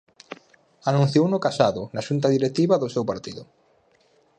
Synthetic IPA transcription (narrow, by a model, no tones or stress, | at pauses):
anũn̟θjownʊkasaðʊnaʃunt̪aðiɾet̪iβaðʊsewpaɾt̪iðʊ